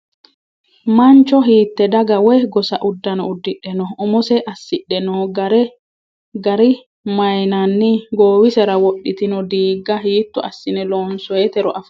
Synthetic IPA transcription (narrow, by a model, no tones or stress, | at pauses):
mɐnt͡ʃɔɦiːt̪ːɛd̪ɐɡɐwɛɡɔsɐʔʊd̪ːɐnɔʊd̪ːɪᶑɛnɔʔʊmʊsɛʔɐsːɪɗɛnɔɡɾɛ | ɡɐɾɪ | mɐjnɐnːɪɡoːwɪsɛɾɐwɔɗːɪt̪ɪnɔd̪iːɡːɐɦiːt̪ːʊʔɐ̰sːɪnɛlɔnsɔjɛt̪ɛɾɔʔɐf